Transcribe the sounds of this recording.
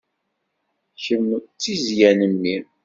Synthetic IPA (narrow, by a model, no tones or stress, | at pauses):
çəmt͡sːizjænəmːiɾ